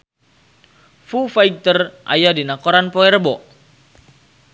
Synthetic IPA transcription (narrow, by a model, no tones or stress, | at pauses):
fufaiɡ̚t̪ərʔa̰jadinakoɾanpɔɛrbɔʔ